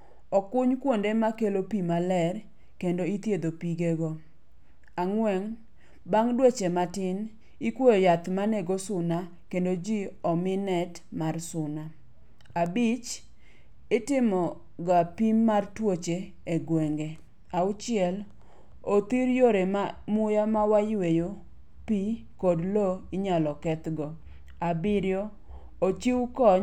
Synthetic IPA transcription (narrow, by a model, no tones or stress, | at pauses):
ɔkʊɲkwondemakelopimalɛr | kendoit̪jed̪opiɡeɡo | aŋwɛŋ | baŋdwet͡ʃematɪn | ikwojojat̪manɛɡosʊna | kendod͡ʒiɔmɪnɛt | marsʊna | abɪt͡ʃ | ɪtɪmɔ | ɡapimːartwot͡ʃe | eɡweŋɡe | aʊt͡ʃɪɛl | ot̪iɾjoɾemamʊjamawajwejo | pi | kodloɪɲalɔkɛt̪ɡɔ | abɪɾjo | ot͡ʃiwkɔ